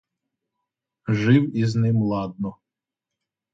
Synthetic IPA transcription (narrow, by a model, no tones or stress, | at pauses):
ʒɪwiznɪmlˠɑd̪̚nɔ